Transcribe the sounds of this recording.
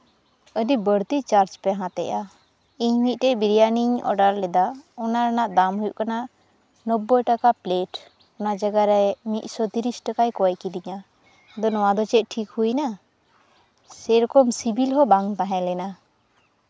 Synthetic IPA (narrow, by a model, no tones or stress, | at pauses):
ədibəɽt̪it͡ʃaɾd͡ʒpɛɦãt̪ɛ̰ʔa | iɲmit̪̚ˀʈɛʔbiɾijaniɲɔ̰ɖaɾlɛd̪aɔnaɾanaʔd̪amɦujuʔkanaʔ | nɔbːɔjʈakapleʈ | ɔnad͡ʒaɡaɾɛmit̪̚sɔt̪iɾisʈakajkɔjkid̪iɲa | d̪ɔnɔwad̪ɔt͡ʃɛʔ̚ʈʰikhujna | sɛɾɔkɔmsibilɦɔbaŋt̪ãɦɛ̃lɛna